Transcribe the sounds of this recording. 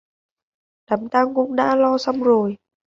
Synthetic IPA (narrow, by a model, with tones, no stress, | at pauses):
ɗa˨˦mt̪aː˧ŋkʊ̰˧˥ŋ͡mɗa̰ː˧˥lɔ˧sa˧wŋ͡mzo˨˩j